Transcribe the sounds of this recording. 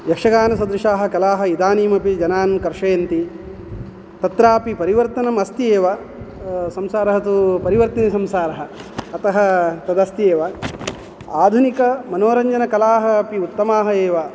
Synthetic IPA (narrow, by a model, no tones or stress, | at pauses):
jɐkʂɐɡaːnɐsɐd̪ɾuʂaːɦɐ̆kɐlaːɦɐ̆id̪aːniːmɐpid͡ʒɐnaːnkɐɾʂɐjɐnt̪i | t̪ɐt̪ɾaːpipɐɾiʋɐɾt̪ɐnɐmɐst̪ijeːʋɐ | sɐmsaːɾɐɦɐt̪upɐɾiʋɐɾt̪ɐnisɐmsaːɾɐɦɐːt̪ɐɦɐ̆t̪ɐd̪ɐst̪ijeːʋɐ | aːd̪ʱunikɐmɐnoːɾɐɲd͡ʒɐnɐkɐlaːɦɐɐpiut̪ːɐmaːɦɐeːʋa